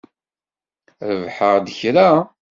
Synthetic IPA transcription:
ɾəvħəʁd̪əçɾa

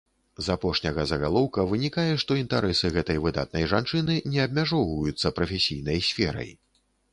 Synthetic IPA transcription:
zapɔʂnʲɐɣɐzɐɣalˠɔwkɐvɨnʲikajɛʂt̪ɔint̪aɾɛsɨɣɛt̪ɐjvɨd̪a̰t̪̚nɐjʐant͡ʂɨnɨnʲɛɐb̚mʲaʐɔwvɐjut̪sːɐpɾɐfʲɛsʲijnɐjsʲfʲɛɾɐ̰j

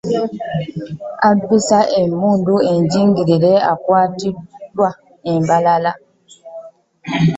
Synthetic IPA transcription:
aduɾisaʔemuːndueɲɟiːŋɡiɾilea̰kwaːtidwa | embalala

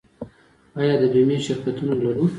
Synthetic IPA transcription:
ɑjɑd̪əd̪ojmeʃɪɾkat̪unolaɾu

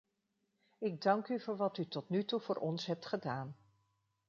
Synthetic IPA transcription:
ɪɡ̚dɑŋkyvʊːɹʋɑtytɔtnytuv̥ʊːɹʔɔnsɦɛp̚tχədaːn

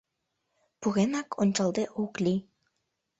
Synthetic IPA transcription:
puɣenɑkʰonʲt͡ɕɑlˠd̪eʔuklʲi

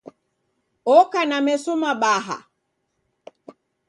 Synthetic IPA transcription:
ɔkanamɛsumaɓaɦa̰

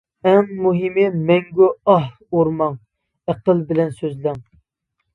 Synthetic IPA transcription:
ɛmːuɦimɪmɛŋɡʲyɑh | oɾmɑŋ | æqəlbɪlɛnsøzlɪŋ

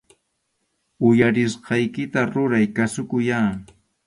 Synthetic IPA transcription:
ʊjaɾɪsqɑjkɪt̪aɾʊɾajkasʊkʊjaː

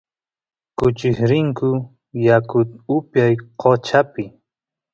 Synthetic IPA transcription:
kʊt͡ʃɪhɾɪŋkʊ | jakʊt̪ʊpjajqʰot͡ʃapɪ

